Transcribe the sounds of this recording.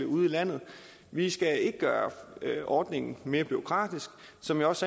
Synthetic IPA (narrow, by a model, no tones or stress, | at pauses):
euð̰ˠilæn̰ð̞̩ˠ | ʋisɡ̥æe̝ɡ̥əɡ̥ɶːɐʔɒːd̥ne̝ŋn̩me̝ːɐb̥yo̝kʰʁɑ̰̈ːd̥isɡ̥sɒ̽mjiɒ̽s